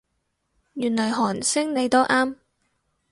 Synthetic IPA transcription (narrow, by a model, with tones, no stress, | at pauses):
jyː˨˩nlɔː˨˩jɦɔː˨˩nsɪ˥ŋne˨˧jt̪o˥wʔaː˥m